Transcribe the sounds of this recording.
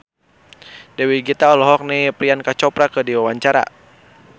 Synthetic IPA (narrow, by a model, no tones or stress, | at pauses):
dɛwiɡit̪aɔlɔɦɔk̚nɛpɾiankat͡ʃɔpɾakədiwawaɲt͡ʃaɾa̰